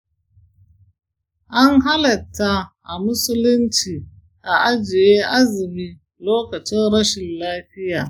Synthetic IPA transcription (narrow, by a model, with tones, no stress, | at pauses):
ʔa˦nɦa˦lɐ˨tːa˦ʔa˨mʊ˦sʊ˦lʊ˦nt͡ʃiː˨ | ʔa˨ʔa˦d͡ʒɪ˨je˦ʔa˦zɪ˨miː˦ | loː˦kɐ˨t͡ʃɪ˦nɽɐ˦ʃɪ˨nlaː˦ɸɪ˦jaː˨